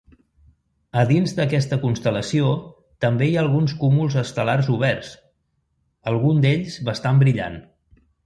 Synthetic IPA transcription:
əðinzd̪əkɛst̪əkunst̪ələsio | t̪əmbeiaːlˠɣunskumulˠzəst̪əlarzuβ̞ɛrs | əlˠɣund̪eʎzβəst̪ambɾiʎa̰n

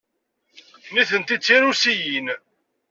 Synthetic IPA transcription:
niθənt̪it͡sːinusijin

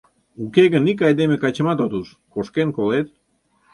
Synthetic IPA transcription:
ukeɣənik̬ɑjd̪emekɑt͡ɕəmat̪ot̪us | koʃkenkolet̪̚

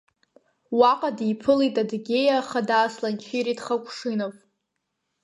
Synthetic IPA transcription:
waqʼadipʰɨlitʼadɡʲe̞jaχadaːslant͡ʃʰiɾidχakʷʰʼʂɨnapʼ

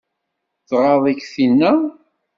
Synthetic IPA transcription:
θʁɑðˤikθinːæ

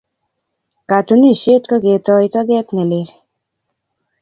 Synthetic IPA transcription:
kat̪ʰuniset̪kɔɡet̪ɔjt̪ɔɡɛt̪neleɾ

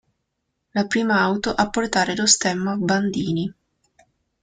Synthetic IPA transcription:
lapɾiːmaawt̪oʔapːort̪aːɾelost̪ɛmːaband̪iːni

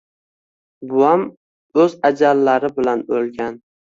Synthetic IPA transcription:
bʊam | ɵzad͡ʒalːaɾɪbɪlanolɡʲan

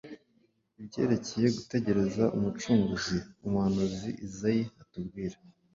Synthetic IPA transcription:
ibɟe̞̰ːɾe̞ce̞je̞ɡute̞ɟe̞ɾe̞zaʔumut͡ʃuːŋɡuziumuhanuziʔizajiatub̚ɡiːɾa

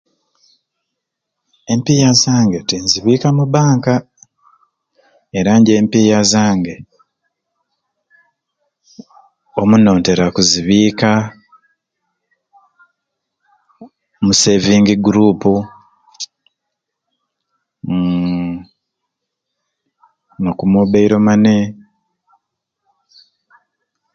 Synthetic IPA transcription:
e̞mpijazaːŋɡe̞tinziβiːkamubaːŋka | eɾaɲɟe̞ːmpijazaːŋɡe̞ | omuno̞ːnte̞ɾakuziβiːka | muse̞viːŋɡiɡuɾuːpu | nokumoβeiɾomane

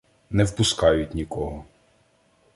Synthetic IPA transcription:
nɛwpʊskɑjʊtʲnʲikɔɦɔ

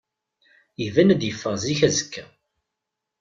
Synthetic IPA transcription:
ivænæd̪jəfːəʁziçæzəkːæ

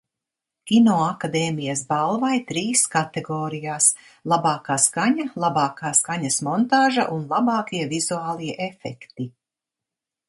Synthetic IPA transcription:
kʲinɔːakad̪ɛːmijɐsbalˠvajt̪ɾiːskat̪eɡɔːɾijaːs | lˠabɑːkaːskaɲalˠabɑːkaːskaɲɐsmɔnt̪aːʒa̰ʔunlˠabɑːkiɛvizuaːlˠiɛʔefɛkt̪i

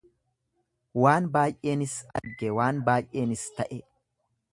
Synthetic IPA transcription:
waːnbaːjʔːe̞ːnɪsɐ̰ɾɡɛwaːnbaːjʔe̞ːnɪst̪ɐʔɛ

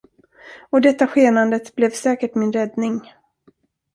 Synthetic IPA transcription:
ɔd̪ɛt̪ːaɧeːnand̪ət̪blɛvsɛːkəʈmɪnɾɛd̪nɪŋ

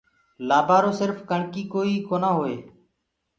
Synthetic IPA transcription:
laːbʱaːɾoːsɪɾfkəɳkiːkoːiːkoːnaːɦoːeː

